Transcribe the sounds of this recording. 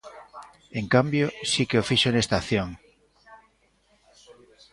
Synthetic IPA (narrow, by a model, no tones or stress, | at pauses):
eŋkambjosikeofiʃonest̪aθjoŋ